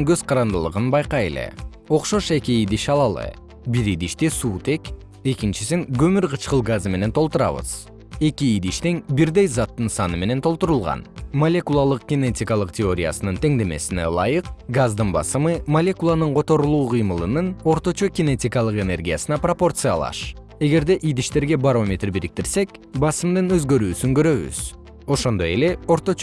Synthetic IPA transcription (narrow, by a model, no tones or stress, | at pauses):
ŋɡø̞z̥qʰɑɾɑnd̪ɨlˠɯ̰ʁɯnbɑjqɑje̞̰lḛ | o̞qʃo̞ʃe̞kiid̪iʃɑlˠɑlˠɯ̰ | biɾid̪iʃt̪isuːt̪e̞k | e̞kint͡ʃisiŋɡɵmyɾqʰɨt͡ʃqɯlˠɡazme̞ne̞nt̪ʰo̞lˠt̪uɾɑ̰βɯ̰z̥ | e̞kʲiid̪iʃt̪eŋbiɾd̪e̞jzɑt̪ːɯnsɑnɯme̞ne̞nt̪ʰo̞lˠt̪uɾulˠʁɑ̰nmolʲe̞kulˠɑlˠɯq̚ɡ̥ʲɪne̞tʲikɑlˠɯqtʲeo̞ɾʲija̰sɯnɯnt̪ʰe̞ŋd̪e̞me̞̰sine̞̰lˠɑ̰jɯqɡazd̪ɯnbɑ̰sɯmɯmɐlʲe̞kulˠanɯɴqʰo̞t̪o̞ɾulˠuːqʰɯjmɯlˠɯnɯno̞ɾt̪o̞t͡ʃo̞kʲɪne̞tʲikɑlˠɯqe̞ne̞rɡʲijasɨnɑpropo̞rt̪sɨja̰lˠɑ̰ʃ | e̞ɡe̞ɾd̪e̞ʔid̪iʃt̪e̞ɾɡe̞baɾo̞mʲe̞t̪rbiɾik̚t̪iɾse̞k | bɑsɯmd̪ɯnø̞zɡø̞ɾyːsyŋkø̞ɾø̞βy̰z̥ | o̞ʃo̞nd̪o̞je̞le̞o̞ɾt̪o̞